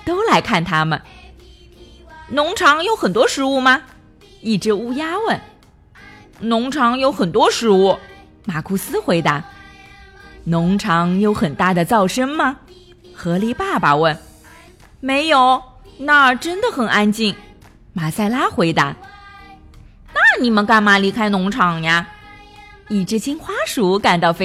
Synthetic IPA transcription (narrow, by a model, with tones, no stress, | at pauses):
t̪o˥ʊla˧˥ɪkʰa˥˩nt̪ʰa˥mə˨n | nʊ˧˥ŋʈ͡ʂʰɑ˧˥ŋjo˧˥ʊxə˨˩nt̪wɔ˥ʂɻ̩˧˥u˥˩mɐ˩ | i˥˩ʈ͡ʂɻ̩˧˥u˥˧ja˥wə˥˩n | nʊ˧˥ŋʈ͡ʂʰɑ˧˥ŋjo˧˥ʊxə˨˩nt̪wɔ˥ʂɻ̩˧˥u˥˩ | ma˨˩kʰu˥˩sɹ̩˥xwe˧˥ɪt̪a˧˥ | nʊ˧˥ŋʈ͡ʂʰɑ˧˥ŋjo˧˥ʊxə˨˩nt̪a˥˩d̪ə˩t͡sɑ˥˩ʊʂə˥nmɐ˨ | xɤ˧˥li˧˥pa˥˩pa˨wə˥˩n | me˧˥ɪjo˨˧˩ʊna˥˩ʈ͡ʂə˥nd̪ə˨xə˨˩nʔa˥nt͡ɕi˥˩n | ma˨˩sa˥˩ɪla˥xwe˧˥ɪt̪a̰˧˥ | na˥˩ni˨˩mə˧˦nka˥˩nma˧˩li˧˥kʰa˥ɪnʊ˧˥ŋʈ͡ʂʰɑ˨˥ŋja˥˧ | i˨˩ʈ͡ʂɻ̩˥˧t͡ɕʰi˥nxwa˥ʂu˧˥ka˨˩nt̪ɑ˥˩ʊfe˥